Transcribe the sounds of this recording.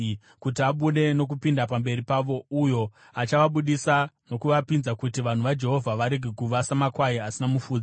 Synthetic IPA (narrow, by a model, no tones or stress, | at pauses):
kutiaɓuɗe̞no̞k̬upindapambe̞ɾipaʋo̞ujo̞ | at͡ʃaʋaɓuɗisano̞kuʋapinzakutiʋan̤uʋad͡ʒe̞ɦo̞vʱaʋaɾeɡʱekuʋasamakwaiasinamufuːd͡z